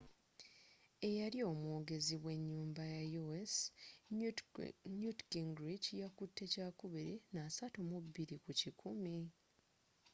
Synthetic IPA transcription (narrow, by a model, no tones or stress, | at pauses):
e̞jaɾio̞ːmuːɡe̞ziβwe̞ɲːuːmbajajues | ɲutɡiŋɡɾicjakutːe̞caːkuβiɾinaːsatumuβiɾikucikʰumi